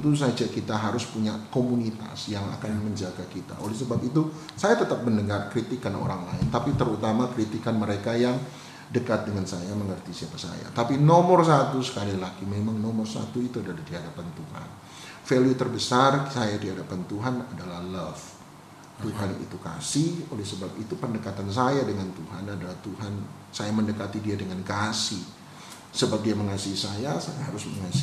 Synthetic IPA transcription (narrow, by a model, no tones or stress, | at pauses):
t̪us̬ad͡ʒakit̪aɦaɾʊspuɲakomunit̪a̰sjaŋa̰kanməɲd͡ʒaɡakit̪a̰olɛsəbapit̪u | sajat̪ət̪ap̚məndəŋarkɾit̪ikano̰ɾaŋlaɪnt̪apit̪əɾut̪amakɾit̪ikanməɾekajaŋ | dəkat̪̚dəŋansajaməŋərt̪isiapasa̰ja̰t̪apinomɔrsat̪usə̥kalilaɡimemaŋnomɔrsa̰t̪uit̪uadalahdiɦadapant̪uha̰n | feliut̪ərbəsarsajadiɦadapant̪uɦanadalahlaf | t̪uɦanḭt̪uka̰siolɛhsəbap̚it̪upəndəkat̪ans̬ajadəŋant̪uɦanadalaht̪uɦan | sajaməndəkat̪idiadəŋankasi | səbap̚diaməŋasiisajasa̰jaɦaɾʊsməŋas